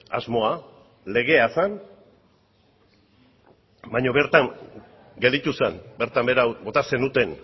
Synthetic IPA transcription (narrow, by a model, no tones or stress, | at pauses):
a̰zmo̞a | le̞ɣ̞e̞asan | bajɲo̞βe̞ɾt̪aŋ | ɡe̞ld̪it̪usenbeɾt̪ambeɾabo̞t̪ase̞nut̪e̞n